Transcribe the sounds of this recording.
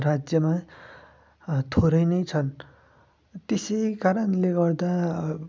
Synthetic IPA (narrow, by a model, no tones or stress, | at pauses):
rad͡zjʌma | t̪ʰoɾʌjnʌjt͡sʰʌn | t̪esʌjkaɾʌnleɡʌrd̪a